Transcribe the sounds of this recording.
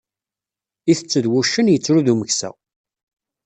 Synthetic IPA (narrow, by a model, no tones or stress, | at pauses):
iθət͡sːəðwuʃːənjət͡sːɾuðuməçsæ̰